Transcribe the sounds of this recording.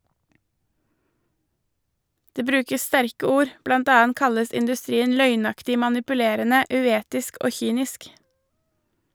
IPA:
ˈdeː ˈbɾʉːkəs ˈstæɾkə ˈuːɾ ˈblɑnt ˈɑːɑnt ˈkɑləs ɪndʉˈstɾiːən ˈlœʏˌnɑktɪ mɑnɪpʉˈleːɾənə ʉˈeːtɪsk ˈoː ˈçyːnɪsk

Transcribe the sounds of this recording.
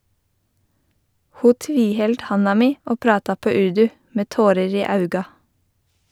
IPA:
ˈhuː ˈtʋiːˌhɛld ˈhɑnɑ ˈmiː ˈoː ˈpɾɑːtɑ ˈpøː ˈʉɹdʉ ˈmeː ˈtoːɾəɹ ˈiː ˈɑʉɡɑ

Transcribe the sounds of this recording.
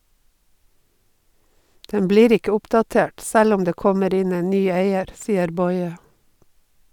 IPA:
ˈdɛm ˈbliːɾ ˈɪkə ˈʊpdɑˌteːʈ ˈsæl ˈʊm ˈdeː ˈkɔməɾ ˈɪn ˈeːn ˈnyː ˈeɪəɾ ˈsiːəɾ ˈbɔʏə

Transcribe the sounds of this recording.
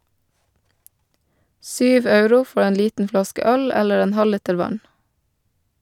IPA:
ˈsyːʋ ˈɑʉɾʊ ˈfɔ ˈeːn ˈliːtn̩ ˈflɑskə ˈœl ˈɛləɾ ˈeːn ˈhɑliːtəɾ ˈʋɑn

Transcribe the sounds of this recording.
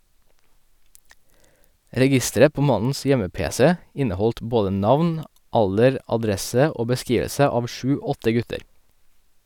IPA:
ɾɛˈɡɪstəɾə ˈpoː ˈmɑnn̩s ˈjɛməˌpeːsɛ ˈɪnəˌhɔlt ˈboːdə ˈnɑʋn ˈɑldəɾ ɑˈdɾɛsə ˈoː bəˈskiːʋəsə ˈɑːʋ ˈʃʉː ˈɔtə ˈɡʉtəɾ

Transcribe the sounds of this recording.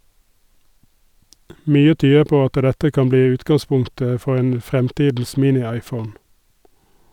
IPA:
ˈmyːə ˈtyːə ˈpoː ˈɑtə ˈdɛtə ˈkɑm ˈbliː ˈʉːtɡɑˌspʊŋtə ˈfɔʁ ˈeːn ˈfʁɛmˌtiːdn̩s ˈmiːnɪˌɑɪˌfəʊn

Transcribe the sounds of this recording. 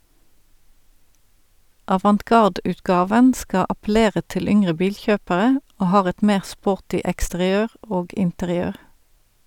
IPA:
ʔɑʋɑntˈkɑʁdʉːtˌkɑːʋən ˈskɑ ɑpl̩ˈeːʁə ˈtɪl ˈʏŋʁə ˈbiːlˌçøːpəʁə ˈʔoː ˈhɑːʁ ˈɛt ˈmeːʁ ˈspoːʁtɪ ɛkstəʁɪˈøːʁ ˈoːɡ ɪntəʁɪˈøːʁ

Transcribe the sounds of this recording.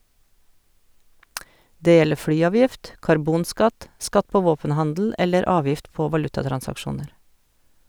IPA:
ˈdeː ˈjɛlə ˈflyːˌɑːʋjɪft kɑɾˈbuːnˌskɑt ˈskɑt ˈpoː ˈʋoːpənˌhɑndl̩ ˈɛləɾ ˈɑːʋjɪft ˈpoː ʋɑˈlʉtɑtɾɑnsɑkˌʃuːnəɾ

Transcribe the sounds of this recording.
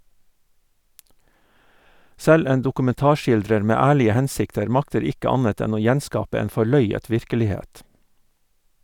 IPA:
ˈsɛl ˈeːn dʊkʉmɛnˈtɑːˌʃɪldɾəɾ ˈmeː ˈæːɭɪə ˈhɛnsɪktəɾ ˈmɑktəɾ ˈɪkə ˈɑnət ˈɛn ˈoː ˈjɛnˌskɑːpə ˈeːn fɔˈɭœʏət ˈʋɪɾkəlɪˌheːt

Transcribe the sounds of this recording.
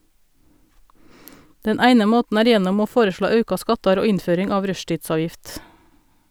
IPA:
ˈdɛn ˈæɪnə ˈmoːtn̩ ˈæːɾ ˈjɛnɔm ˈoː ˈfoːɾəˌʃɭoː ˈɑʉkɑ ˈskɑtɑɾ ˈoː ˈɪnˌføːɾɪŋ ˈɑːʋ ˈɾœʃtiːtˌsɑːjɪft

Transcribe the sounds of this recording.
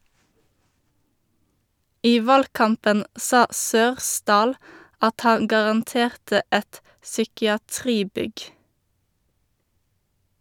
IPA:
ˈiː ˈʋɑlˌkɑmpən ˈsɑː ˈsøːʁˌsdɑːl ˈɑt ˈhɑŋ ɡɑʁɑnˈteːʁtə ˈɛt sʏkɪɑˈtʁiːˌbʏɡ

